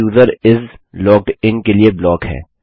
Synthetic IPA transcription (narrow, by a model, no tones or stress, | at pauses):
uːzəɾɪzlɔːk̚ɖɪnkelieblɔːkhɛ̰ː